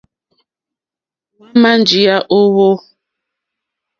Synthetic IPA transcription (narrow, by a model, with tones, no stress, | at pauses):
wa˦ma˦n˨d͡ʒi˨a˦ʔo˦wo˦